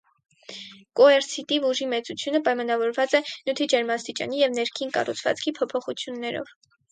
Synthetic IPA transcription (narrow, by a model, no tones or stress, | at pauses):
kɔɛɾsʰit̪ivuʒimɛt͡sut͡sʰjunəpɑjmɑnɑvɔɾvɑt͡sɛnut̪ʰid͡ʒɛɾmɑst̪it͡ʃɑ̰nijɛvnɛɾkʰinkɑ̰rut͡sʰvɑ̰t͡skʰipʰɔpʰɔχut͡sʰjunːɛɾɔ̰v̥